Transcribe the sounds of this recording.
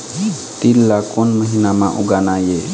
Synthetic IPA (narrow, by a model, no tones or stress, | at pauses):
t̪ilːakonməɦinamã̰ʔuɡanaje